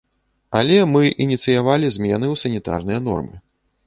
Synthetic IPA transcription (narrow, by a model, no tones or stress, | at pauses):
alʲɛmɨʔinʲit̪sɨjavalʲizʲmʲɛn̪ɨwsɐnʲit̪a̰rnɨjɐn̪ɔ̰rmɨ̰